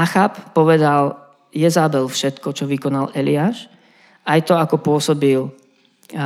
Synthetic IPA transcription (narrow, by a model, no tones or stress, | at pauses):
axappɔʋɛd̪al | jɛzaːbɛlfʃɛt̪kɔt͡ʃɔʋikɔnalɛliaːʃ | ajt̪ɔakɔpʊɔsɔbil